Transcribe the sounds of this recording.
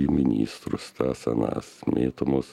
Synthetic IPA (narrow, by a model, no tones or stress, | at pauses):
imʲɪnʲḭːst̪ɾʊst̪æsʲɛna̰ːsmʲeːt̪omos